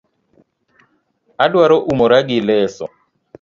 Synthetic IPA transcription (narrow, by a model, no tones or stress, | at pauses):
adwaɾɔʔumoɾaɡɪlɛsɔ̰